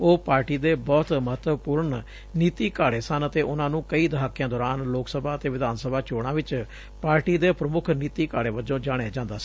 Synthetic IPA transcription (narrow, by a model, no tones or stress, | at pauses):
oːpaːɾʈiːd̪eːbɔːt̪məɦət̪ʋəpʊːɾɳ | niːt̪iːkaːɽeːsənət̪eːʔʊnãːnũːkəiːd̪əɦaːkːɪjãːd̪ɔːɾaːnloːksəbʱaːət̪eːʋɪd̪aːnsəbʱaːt͡ʃoːɽ̃ãːʋɪt͡ʃ | paːɾʈiːd̪eːpɾəmʊkʰniːt̪iːkaːɽeːʋəd͡ʒõːd͡ʒaːɽ̃ẽːd͡ʒãːnd̪aːsiː